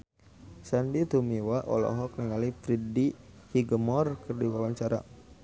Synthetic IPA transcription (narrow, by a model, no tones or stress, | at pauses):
sandit̪umiwaʔɔ̰lɔ̰ɦɔk̚niŋalipɾidi | hiɡəmɔrkərdiwawaɲt͡ʃaɾa̰